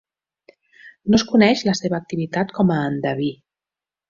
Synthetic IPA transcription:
noskunɛʃləseβəːk̚t̪iβit̪at̪kʰɔməːnd̪əβi

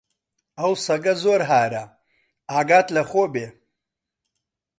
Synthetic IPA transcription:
awsɐɡɐzoːɾɦaːɾa | aːɡaːt̪lɐxoːbeː

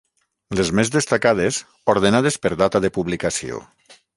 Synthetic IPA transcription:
lezmezðest̪akað̞ez | oɾðenað̞espeɾðat̪aðepuβlikasio̰

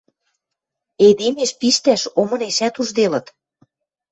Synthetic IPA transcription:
ed̪emeʃpiʃt̪æʃomɤ̆neʃæt̪uʒd̪elɤ̆t̪

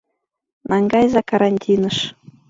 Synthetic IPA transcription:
nʔɑŋɡɑjzɑkɑɾɑnʲtʲʰinɤ̆ʃ

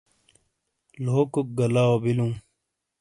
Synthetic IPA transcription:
loːkuk̚ɡɐlaobilũː

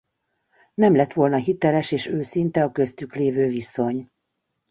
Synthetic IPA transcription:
nɛmlɛt̪ʋo̞lnɒɦit̪ɛlɛʃeːʃøːsint̪ɛɒkø̞st̪ykleːvøːviso̞ɲ

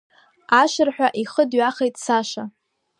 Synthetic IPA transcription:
aʃɪrħᶣʷaʔiχədɥaχejtʼsaʃa

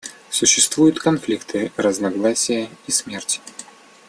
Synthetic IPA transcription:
sʊɕːɪst̪vujʊt̪kɐnflʲikt̪ʰɨɾəznɐɡlˠasʲɪjəismʲertʲɪ̥

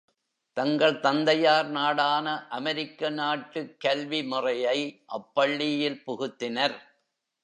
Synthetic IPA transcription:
t̪ɐŋɡɐɭt̪ɐnd̪ɐjaːɾnaːɽaːnɐʔɐmɐɾɪkːɐnaːʈːɯkːɐlʋimʊrɐjɐɪʔɐpːɐɭːɪjɪlpʊɣɯt̪ːɪnɐɾ

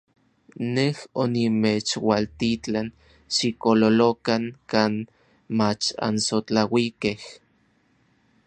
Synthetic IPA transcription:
nehonimet͡ʃwalt̪it͡ɬan | ʃikololokaŋkaːn | mat͡ʃa̰nsot͡ɬawikeh

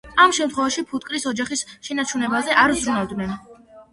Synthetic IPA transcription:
amʃɛmt̪χwɛvaʃipʰut̪ʼkʼɾisɔd͡ʒaχisʃɛnat͡ʃʰunɛbazɛʔaɾuzɾunavd̪nɛn

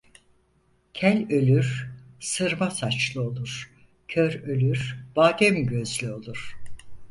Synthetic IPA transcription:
cʰælʲølʲyɾ̥sɯɾmasat͡ʃlˠɯo̞lˠuɾ̥ | cʰøɾølʲyɾ̥b̥aːd̪ʲɛmɟøzlʲyo̞lˠuɾ̥

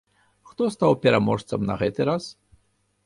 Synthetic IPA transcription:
xt̪ɔst̪awpʲɛɾamɔʂt̪sɐmnɐ̰ɣɛt̪ɨɾas

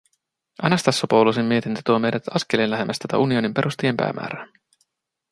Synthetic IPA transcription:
ʔænæst̪ɑsːopowlusemːie̞t̪int̪ə̥t̪uɑme̞jdæt̪ɑskelenlːæɦemʔæst̪æt̪æ̰ʔunio̞nimpe̞ɾʔust̪ijempæ̰ːmʔæ̰ːɾæ

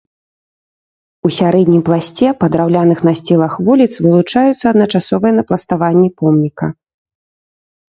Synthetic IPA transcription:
usʲaɾɛd̪ʲnʲimplˠasʲt͡sʲɛpɐd̪ɾawlʲanɨxnɐsʲt͡sʲilˠɐxvulʲit̪svɨlˠut͡ʂajut̪sːɐːd̪nɐt͡ʂasɔvɨjɛnɐplˠɐst̪avanʲːipɔmnʲikɐ

